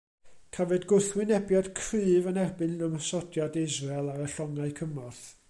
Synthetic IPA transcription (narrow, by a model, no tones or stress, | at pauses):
kʰavɛdɡʊθwɪnɛbjad̥kʰrɨːvənɛrbɨnnəməsɔdjadɪzrɛlˠaɾəɬɔŋaɨkʰəmɔθ